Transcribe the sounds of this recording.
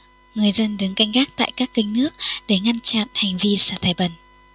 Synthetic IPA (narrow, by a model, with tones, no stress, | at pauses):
ŋɨ˨˩əjzə˧nɗɨ˨˦əŋka˧jŋ̟xaː˦˥k̚t̪a̰ː˧˨jkaː˦˥kːï˧ŋ̟nɨ˦˥ək̚ɗe˧˩ŋa˧nt͡ɕa̰˧˨nha˨˩jŋ̟vi˧saː˧˩t̪ʰaː˧˩jɓə˨˩n